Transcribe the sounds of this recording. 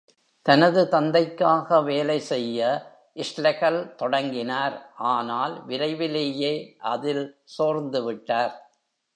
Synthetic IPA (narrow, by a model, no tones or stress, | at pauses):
t̪ɐnɐðɯt̪ɐnd̪ɐɪkːaːɣɐʋeːlɐɪsɛjːɐ | ʔɪʂlɐɣɐlt̪ɔɽɐŋɡɪnaːɾʔaːnaːlʋɪɾɐɪʋɪleːjeːʔɐðɪlsoːɾnd̪ɯʋɪʈːaːɾ